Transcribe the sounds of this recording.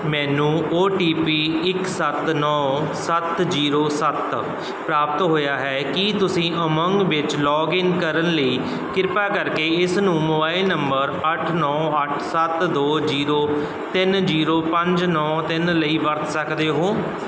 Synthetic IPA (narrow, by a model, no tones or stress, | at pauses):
mɛ̃ːnũːoːʈiːpiːɪksət̪nɔːsət̪d͡ʒiːɾoːsət̪ | pɾaːpət̪ɦoːjaːɦɛːkit̪ʊsĩːʔəməŋɡʋɪt͡ʃlɔːɡɪnkəɾənləiː | kɪɾpaːkəɾkeːɪsnũːmoːbaːilnəmbəɾəʈʰnɔːəʈʰsət̪d̪oːziːɾoː | t̪ɪnd͡ʒiːɾoːpə̃ɲd͡ʒnɔːt̪ɪnləiːʋəɾt̪ʰsəkd̪eːɦoː